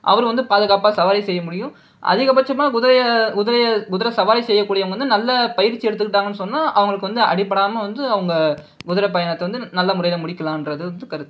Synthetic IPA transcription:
ʔɐ̰ʋɐɾʋɐnd̪ɯpaːðɯɣaːpaːsɐʋaːɾɐsɛjːɐmʊɽɪjʊ̃ | ʔɐ̰ðɪɣɐpɐt͡ʃːɐmːaːɡʊðɾɐjɐɡʊðɪɾɐjɐɡʊðɪɾɐsɐʋaːɾisɛjːɐkːuːɽɪjɐɡɐʋɐnd̪ɯnɐlːɐpɐjɪɾt͡ʃːiɛɽɯt̪ːɯkːɪʈ̬ːaːŋɡɐnːɯsɔnːaːʔɐʋɐŋɡɐɭɯkːɯʋɐnd̪ɯɐ̰ɽɪpːɐɽaːmɐʋɐnd̪ɯɐʋɐŋɡɐ | ɡʊðʊɾɐp̬ːɐjɐnɐt̪ːɛʋɐnd̪ɯnɐlːɐmʊrɐɪjɪlɐmʊɽɪkːɐlãːɛndrɐðɯʋɐnd̪ɯkɐɾɯt̪ː

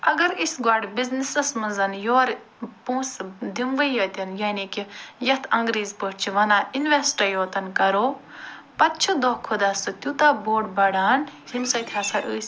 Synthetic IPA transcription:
ɐɡɐɾisɡwɐɽbiznisɐsmɐzɐnjoːɾ | pũːsd̪imʋɐjɐːt̪ʲɐnjaːnikijɐt̪ʰɐ̃ŋɡɾiːzpəʈt͡ʃʰiʋɐnaːinʋesʈɐjoːt̪ɐnkɐɾoː | pɐt̪t͡ʃʰud̪oːkʰod̪aːsɨt̪jut̪aːboːɖbɐɽaːnhimsɐt̪ʰaːsaʔəːs

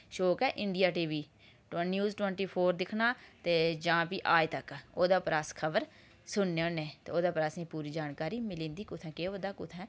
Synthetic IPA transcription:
ʃoːkɛːʔɪ̃ɳɖɪjaːʈiːʋiː | ʈnjuːzʈwɛ̃ɳʈiːpʰoːɾd̪ɪkʰnaːt̪eːd͡ʒãːpiːʔaːet̪əkoːd̪aːpɾaːskʰəbəɾ | sʊnːeonːẽːt̪eːoːd̪aːpɾaːsnĩːpuːɾiːd͡ʒaːnkaːɾiːmɪlĩːnd̪iːkʊt̪ʰɛ̃ːkeːoːd̪aːkʊt̪ʰɛ̃ː

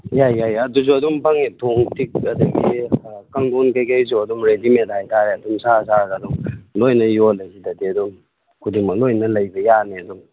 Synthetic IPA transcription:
jajjajɐduzuɐdumpaŋitʰoŋtik̚ɐdɐɡḭkaŋdonkajkajzuɐdumɾedimenthajtaɾeɐdumsasaɾɡadumlojnɐjolɐzidɐdeɐdum | kʰudimɐk̚lojnɐlɐjbɐjaneɐdum

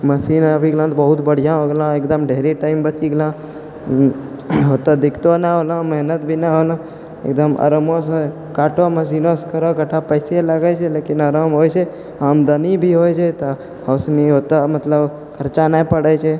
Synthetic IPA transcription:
məsiːnabʱiɡlãt̪ɔbəɦut̪bəɽ̤ijãɦoɡlãeːkd̪əmɖʱeɾiʈaːɪmbət͡ʃiɡlã | ɦot̪ad̪ɪkʰt̪onaɦolãməɦnət̪bʱinaɦoːlã | ḛkd̪əmə̰ɾmos̬ | kaːʈoməs̬inoskəɾokəʈʰapəɪseləɡət͡ʃʰeleːkinəɾəmɦoːjt͡ʃʰe | amd̪ənibʱiɦoːjt͡ʃʰet̪o | ɦəsniɦot̪amət̪ləb | kʰəɾt͡ʃanapəɽət͡ʃʰe

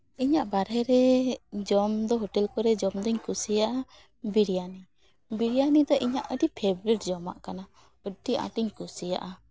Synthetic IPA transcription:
iɲaʔbaɾɛɾɛd͡ʒɔmd̪ɔɦɔʈɛlkɔɾɛd͡ʒɔmd̪ɔɲkusijaʔa | biɾijani | biɾijanid̪ɔʔiɲaʔəʈipʰebɾiʈ̚d͡ʒɔma̰ʔkana | ɔʈːiʔã̰ʈiɲkusija̰ʔa

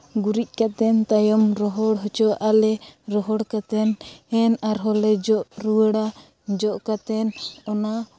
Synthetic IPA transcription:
ɡuɾic̚ˀkat̪ɛnt̪ajɔmɾɔɦɔɽɦɔt͡ʃɔwaʔalɛɾɔɦɔɽkat̪ɛnɛnaɾɦɔlɛd͡ʒɔʔɾuwəɽa | d͡ʒɔʔkat̪ɛnɔna

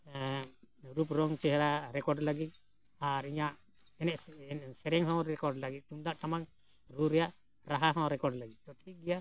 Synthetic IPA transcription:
ɾup̬ɾɔŋt͡ʃɛɦɛɾaɾɛkɔɖlaɡit̪̚ˀ | aɾiɲaʔ | ɛnɛʔsɛɾɛŋɦɔ̃ɾɛkɔɾɖlaɡit̪̚ˀt̪umd̪aʔʈ̪amaŋ | ɾuɾɛjaʔ | ɾaɦaɦɔ̃wɾɛkɔɾɖlaɡit̪̚ˀtɔʈʰiɡɛja

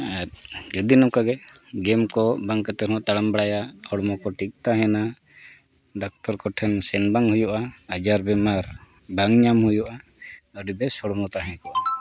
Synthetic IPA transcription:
at̪̚d͡ʒɔd̪inɔkaɡɛɡɛmkɔbaŋkat̪ɛɾɔɔ̃ʔt̪aɽambaɽajahɔɽɔmɔkɔʈik̚t̪aɦɛ̃na | ɖak̚t̪ɔɾkɔʈʰɛnsɛnbaŋhujɔʔaːd͡ʒaɾbɛmaɾbaŋɲamhujɔʔaəɖibɛsɔɽmɔt̪aɦɛ̃kɔ

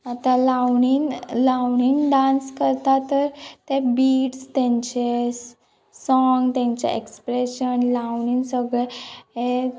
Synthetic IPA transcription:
at̪alawɳiːnlawɳiːnɖãnskəɾt̪at̪əɾt̪ebiːʈst̪ɛ̃ɲt͡ɕe | sɔŋɡt̪jãɲt͡ɕḛʔḛkspɾeɕənlawɳiːnsəɡɭee

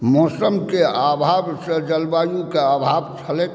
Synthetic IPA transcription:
mɔːsəmkeaːbʱaːbsed͡ʒəlbaːjũkeabʱaːbt͡ʃʰəle

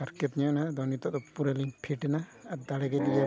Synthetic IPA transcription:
aɾkɛt̪̚ɲanad̪ɔwnit̪ɔʔd̪ɔpuɾaliŋpʰiʈɛnaːd̪aɽɛɡɛd̪ija

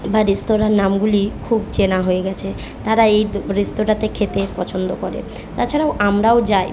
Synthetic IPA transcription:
baɾest̪oɾanːamɡulikʰubt͡ɕenaɦoeɡɛt͡ɕʰe | t̪aɾaejɾest̪oʈat̪ekʰet̪epɔt͡ɕʰond̪okɔɾḛ | t̪at͡ɕʰaɾaoʔamɾaod͡ʑaj

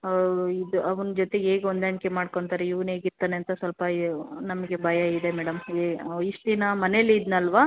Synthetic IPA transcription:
id̪uɐʋɐnɐd͡ʒot̪e̞eːɡeond̪ɐnkemaːɖkoɳt̪aːɾeiʋɐne̞ːɡiɾt̪aːneɐnt̪ɐsʋɐlpɐinɐmɐɡe̞bʱɐjɐid̪e̞mɛːɽɐmiʂt̪inɐmɐnelːd̪nɐlːʋaː

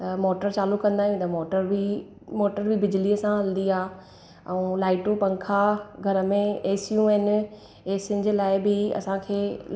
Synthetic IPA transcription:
t̪ɐmoːʈəɾt͡ɕaːlukːɐ̃nd̪aːɦijũt̪ɐmoːʈəɾbi | moːʈəɾbʱɪbɪd͡ʑɪliəsãɦɐlnd̪iaː | ɛ̃ũlaːɪʈũpɐ̃ŋkʰaɡʱɐɾəmẽeːsjũɦɛnɪ̆ | eːsɪn̆d͡ʑeːlaːɪbɪɐ̰sãkʰeː

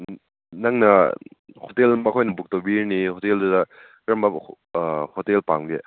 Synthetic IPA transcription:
naŋnɐhotelmɐkʰojnɐbuk̚tobiɾnihoteldudɐ | kɾɐmɐ | hotelpamɡe

